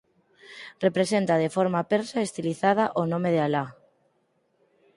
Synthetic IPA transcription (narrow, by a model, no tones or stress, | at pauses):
repɾesent̪að̞efoɾmapeɾsaest̪iliθað̞aʔonõmeðeala